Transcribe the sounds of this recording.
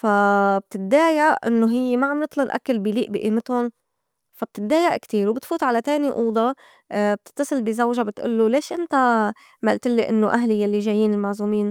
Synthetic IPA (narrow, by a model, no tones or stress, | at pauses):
fab̚t̪ɪt̪̚d̪aːjaʔʔɪnːoɦɪjːemaʕamnɨt̪ˤlɑnʔa̰kːalbiliːʔbiʔiːmɪt̪hʊn | fab̚t̪ɪt̪ːaːjaʔkt̪iːɾwbɪt̪fuːt̪ʕalat̪eːniʔuːd̪ˤɑ | b̚t̪ɪ̥t̪ːɑsˤɨlbizawʒabɪt̪ʔʊ̰lːoleːʃʔɪnt̪a | malt̪ɪlːiʔɪnːoʔaɦlijalːiʒaːjːiːnɪlmaʕzuːmiːn